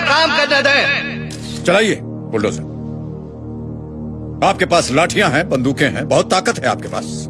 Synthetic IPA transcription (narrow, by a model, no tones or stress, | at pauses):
kaːmkɐɾned̪ẽː | t͡ʃɐlaːieː | boːlɾo̰ːsɛ̰ː | aːp̚kepaːslaːʈʰijãɦɛ̃bɐ̃nd̪uːkẽɦɛ̰̃bɐɦʊt̪ːaːkət̪ɦɛa̰ːp̚kepa̰ːs